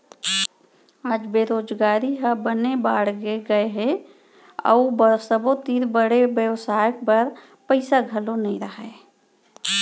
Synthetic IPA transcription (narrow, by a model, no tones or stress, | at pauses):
aːd͡ʒbeːɾoːd͡ʒɡaːɾiɦabənebaːɽɡeɡəeɦɛ | ə̰ubəsəbot̪iːɾbəɽebjəwsaːjək̚pəɾ | pəɪsaɡʱəlonəĩɾəɦe